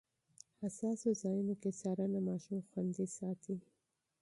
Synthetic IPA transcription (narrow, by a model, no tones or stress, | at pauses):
hasɑsozɑjunokesɑɾanamɑʃumxwand̪isɑt̪ʰi